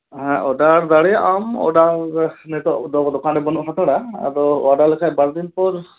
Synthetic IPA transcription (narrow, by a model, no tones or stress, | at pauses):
ɦɛ̃ʔɔɖaɾd̪aɽɛʔamɔ̰ɖaɾnɛt̪ɔʔd̪ɔd̪ɔkanɾɛbɔnuʔsat̪ɔɽaa̰ɾɔɔ̰aɖalɛkʰabaɾd̪inpɔɾ